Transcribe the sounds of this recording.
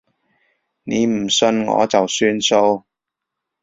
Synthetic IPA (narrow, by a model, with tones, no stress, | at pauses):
ne˨˧m̩˨˩sɵ˧nŋɔ̰ː˨˧t͡sɐ˨wsyː˥nso˥˧w